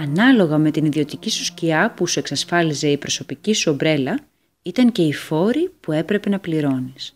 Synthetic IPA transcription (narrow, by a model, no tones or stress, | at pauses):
ɐnɐlo̞ɣɐme̞t̪iniðio̞t̪icisu̥sciɐpusue̞ksɐsfɐlize̞ipɾo̞so̞picisuo̞bɾe̞lɐ | it̪ɐŋce̞ifo̞ɾipue̞pɾe̞pe̞nɐpliɾo̞nis